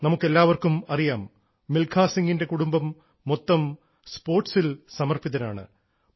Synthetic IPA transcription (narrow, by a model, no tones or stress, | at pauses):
nɐmukːe̞lːaːʋɐrkumɐrijaːmː | ilkʰaːsiŋɡinde̞kuɽumbɐmː | ot̪ːɐm | spo̞ːrʈsilsɐmɐrpiðɐna̰ːɳɨ̰